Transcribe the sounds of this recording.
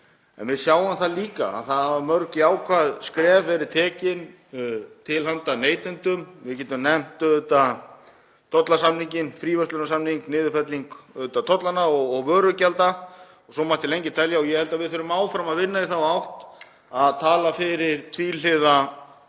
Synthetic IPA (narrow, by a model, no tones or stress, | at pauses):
ɛ̰nvɪðsjaːwamθaðliːkaa̰ðθaðhavamœɾcɪaːwkʰvaðskɾɛːvɛɾɪ̥t̪ʰɛːcɪn | t̪ʰɪlhant̪aneːjt̪ʏnt̪ʏmvɪðcɛːt̪ʏmnɛm̥t̪ʏt̪a | t̪ʰɔt̪lasamniɲcɪnfɾiːvœst̪lʏnasamniŋknɪːðʏfɛt̪liŋkʏt̪at̪ʰɔt̪lanaɔɣɔɣvœːɾʏcalt̪a | ɔɣsɔmat̪ɪlejɲcɪt̪ʰɛljaɔjɛhɛlt̪avɪðθœɾʏmaːwfɾamaðvɪnːaiθawawht̪ | aðt̪ʰaːlafɪɾɪɾ̥t̪ʰvilɪða